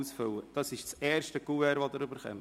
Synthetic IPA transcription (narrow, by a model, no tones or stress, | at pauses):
usfʏwəd̥ɑsɪʃt͡sɛːɾʃtəɡuɛɾʋod̪əɾʏbəɾχɛ̰m